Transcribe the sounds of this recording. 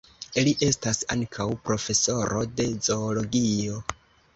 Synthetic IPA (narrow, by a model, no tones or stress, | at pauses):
iliʔe̞stasa̰ŋkʰawpɾo̞fe̞so̞ɾo̞de̞zo̞ːlo̞ɡio̞